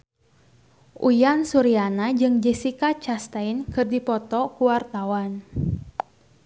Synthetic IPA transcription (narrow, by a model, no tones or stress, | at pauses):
ʔṵjansuɾianad͡ʒɨŋd͡ʒɛsikat͡ʃast̪ainkɨrdipɔt̪ɔkuwart̪awan